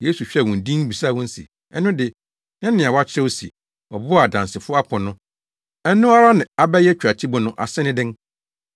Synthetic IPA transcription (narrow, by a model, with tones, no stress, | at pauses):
je˦su˨ɕᶣɛ˦˨wʊ̃˨n˨dĩ˦ŋ˦bi˨sa˦˨wʊ̃˦n̩˦sḭ˨ | ɛ˦nʊ̃˦dɪ˨ | nɛ̃˦nɪ̃˨a˨wa˦t͡ɕʰɛ˦wsḭ˨ | ɔ˨bʊ˦˨a˨dã˨nsɪ˨fʊ˦ɔ˦a˦pʰɔ̃˨nʊ̃˦ | ɛ˦nʊ̃˦a˦ɾa˦nɪ̃˨a˨bɛ˦jɛ˦t͡ɕᶣa˨t͡ɕʰi˦bʊ˨nʊ̃˦ʔa̰˨sɪ˦nɪ̃˦dɪ̃˦ŋ